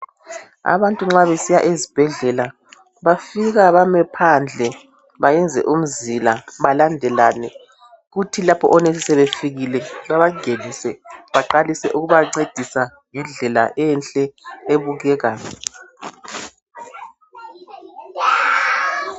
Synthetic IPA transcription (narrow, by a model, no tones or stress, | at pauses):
a̰βantʼuŋ͡ǁaβesijaʔezib̥ʱɛɮɛla | βafiɣaβamɛpʰand͡ɮʱɛ | βajɛnd͡zʱɛ̰ʔum̩zilaβalandʱɛlanɛ | ɣutʰilapʰɔ̰ʔɔneisɛβefiɣilɛβaβaɡ̥ʱelisɛβaǃalisɛʔuɣuβaǀed̥ʱisaŋɛɮɛla̰ʔɛnt͡ɬʼɛeβuɣɛːɣaːjɔ